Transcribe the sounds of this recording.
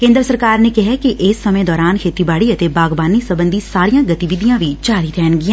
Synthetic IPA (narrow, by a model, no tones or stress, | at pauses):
kẽːnd̪ɾəsəɾkaːɾnekɪɦɛkiʔɪsːəmẽd̪ɔːɾaːnkʰeːt̪ibaːɽiət̪ebaːɡbaːnisəbə̃nd̪ʱisaːɾijãːɡət̪iʋɪd̪ijãːʋit͡ʃaːɾit̪ʰɛːnɡɪjãː